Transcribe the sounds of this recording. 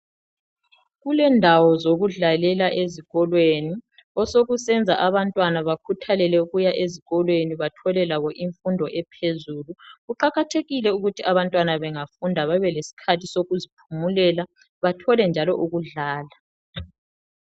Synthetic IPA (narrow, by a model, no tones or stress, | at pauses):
ɣulɛndʱawɔzoɣuɮalɛlaʔeziɣɔlweni | ɔsoɣusɛnd͡zʱaʔaβantʼwanaβakʰutʰalɛlɛuɣujaʔeziɣɔlweniβatʰɔlɛlaβɔʔiɱfundʱɔʔɛpʰezuluɣuǃaɣatʰeɣilɛuɣutʰiaβantʼwanaβɛŋafundʱaβaβɛlesi̥kʰatʰisoɣuzipʰumulɛla | βatʰɔlɛnd͡ʒʱalɔʔuɣuɮaːla